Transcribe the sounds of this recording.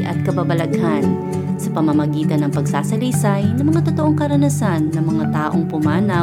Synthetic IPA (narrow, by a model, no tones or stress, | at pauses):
ʔɐ̰t̪̚kɐbabɐlɐɡhan | sɐpɐmɐmɐɡiːt̪ɐnːɐŋpɐɡsaːsɐlisajnɐmɐŋat̪ot̪oʔoŋkɐɾɐnɐsanːɐmɐŋat̪aːʔo̞ŋpʊmaːna